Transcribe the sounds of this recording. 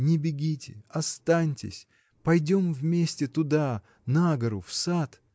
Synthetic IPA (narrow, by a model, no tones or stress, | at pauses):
nʲɪbʲɪɡʲitʲɪ̰ɐst̪anʲtʲɪ̰sʲ | pɐjdʲomvmʲesʲtʲɪt̪ʊd̪a | naɡəɾʊfsat̪